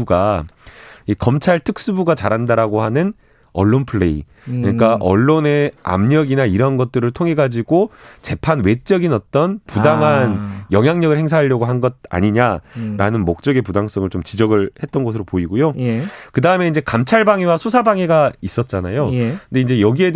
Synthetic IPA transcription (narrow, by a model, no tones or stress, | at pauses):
ɡa | ikʌmt͡ɕʰaɭtʰɯk̚s͈ubuɡat͡ɕa̰ɾandaɾaɡohanɯn | ʌ̰ɭːonpʰɯɭːḛḭ | ɯɲik͈aʔʌ̰ɭːone̞a̰mɲʌɡinaiɾʌnɡʌt̚t͈ɯɾɯɭtʰoŋɦe̞ɡad͡ʑiɡot͡ɕe̞pʰanwe̞t͡ɕ͈ʌɡinʌt͈ʌnpudaŋɦanjʌŋɦjaŋɲʌɡɯɭheŋs̬ʰaɦaʎːjʌɡoɦanɡʌd̚a̰ɲiɲaɾanɯnmok̚t͡ɕ͈ʌɡepudaŋs͈ʌŋɯɭt͡ɕomt͡ɕid͡ʑʌɡɯɭhe̞t̚t͈ʌnɡʌsʰɯɾopoiɡojokɯdaɯme̞ind͡ʑekamt͡ɕʰaɭbaŋewasʰosʰabaŋeɡais͈ʌt̚t͡ɕ͈anajokɯnde̞ind͡ʑe̞jʌɡied